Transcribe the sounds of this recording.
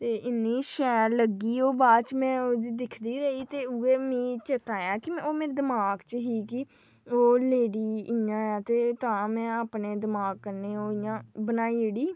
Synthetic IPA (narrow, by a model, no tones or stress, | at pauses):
t̪eːʔɪnːiːʃɛːɾləɡiːoːbaːt͡ʃmɛ̃ːod͡ʒd̪ɪkʰd̪iːɾəiːt̪eːʊeːmĩːt͡ʃət̪aːjaːkɪmɛ̃ːoːmeːɾed̪ɪmaːɡt͡ʃəɦiːkɪ | oːleːɽiːɪjãːaːt̪eːt̪ãːmɛ̃ːaːpneːd̪ɪmaːɡ̚kəɾneːoːɪjãːbənaːieɽiː